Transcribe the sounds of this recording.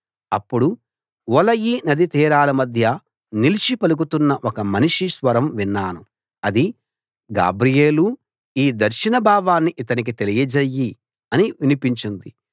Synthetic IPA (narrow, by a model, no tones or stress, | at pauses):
ɐpːuɽu | ʋɔlɐjiːnɐd̪it̪iːɾaːlɐmɐd̪ʱjɐ | nilit͡ʃipɐlukut̪unːɐʔɔkɐmɐniʂiʃʋɐɾɐmʋinːaːnu | ɐd̪i | ɡa̰ːbɾijeːlu | iːd̪ɐɾʃinɐbʱaːʋaːnːiʔit̪ɐnik̬it̪e̞lijɐd͡ʒejːi | ɐniʋinipiɲt͡ʃind̪i